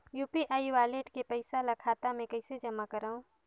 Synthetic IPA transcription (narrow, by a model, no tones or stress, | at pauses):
juːpiʔaːiʋaːleːʈkepɐɪsalɐkʰaːt̪amẽkɐɪsed͡ʒɐmakɐɾaõ